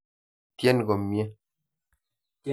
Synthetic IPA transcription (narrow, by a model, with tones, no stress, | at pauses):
tjɛ˦n˨ɡɔ˨mje˦